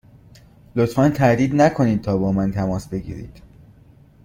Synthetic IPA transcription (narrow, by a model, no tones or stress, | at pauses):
lot̪fænt̪ʰæɾd̪iːd̪nækʰo̞niːd̪̚t̪ʰɒːbɒːmænt̪ʰæmɒːsbe̞ɡḭːɾḭːd̪̥